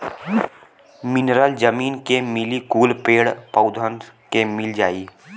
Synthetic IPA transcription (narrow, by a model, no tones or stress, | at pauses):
mɪnɾəld͡ʒəmiːnkemɪlikuːlpeːɽpəʊd̪ʱənkemɪld͡ʒaːiː